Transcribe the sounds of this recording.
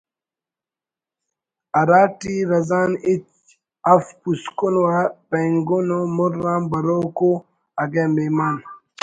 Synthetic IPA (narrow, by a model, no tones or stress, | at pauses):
ɐɾaːʈiɾɐzanit | afpuskonwapeŋɡonomuɾãːmbɐɾoko | aɡememan